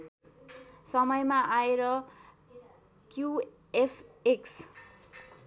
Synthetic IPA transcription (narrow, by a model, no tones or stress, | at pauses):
sʌmʌjmaʔaeɾʌ | kju | epʰeks